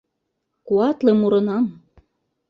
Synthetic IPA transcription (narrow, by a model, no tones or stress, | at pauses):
kuɑt̪lemuɾɤ̆nɑm